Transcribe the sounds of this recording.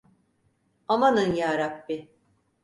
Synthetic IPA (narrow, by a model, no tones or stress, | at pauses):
amanɯnjaːɾap̚bi